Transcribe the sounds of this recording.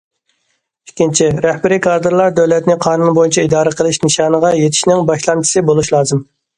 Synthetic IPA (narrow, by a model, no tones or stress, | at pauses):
ikʲʰːint͡ʃʰiɾɛhbɪɾikʰɑɾd̪ɨɾlˠɑɾd̪ɛwlɛt̪nɪqʰɑːnunbojint͡ʃʰɛid̪ɑːɾəqʰəlˠɪʃnɨʃɑːnəʁɑjet̪ʰɪ̥ʃnɪŋbɑʃlˠɑnt͡ʃʰi̥sɨbolˠuʃlˠɑːzɨm